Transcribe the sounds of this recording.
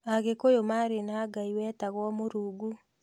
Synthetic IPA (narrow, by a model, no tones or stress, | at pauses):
aɣekojomaɾenaɡaiwɛːtaɣwɔmoɾuɡu